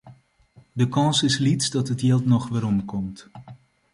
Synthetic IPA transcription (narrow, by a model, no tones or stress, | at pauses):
dəkɑnsɪslitsdɑtɦətjɪlˠtnɔχʋɪːɾɔmkɔmt